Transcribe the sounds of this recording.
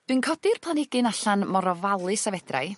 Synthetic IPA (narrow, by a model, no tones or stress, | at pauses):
d̥wɨnkʰɔdɪrpʰlˠanɪɡɨnaɬanmɔɾɔvalˠɨsavɛd̥ra̰j